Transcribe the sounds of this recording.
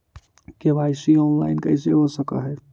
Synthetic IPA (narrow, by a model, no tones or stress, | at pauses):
keʋajsiɔːnlaːɪnkəiseɦosəka̰ɦɛ